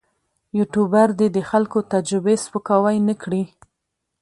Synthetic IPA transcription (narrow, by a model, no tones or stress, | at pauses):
juʈubaɾd̪ed̪əxalkot̪ad͡ʒɾɪbespukawajnəkɽi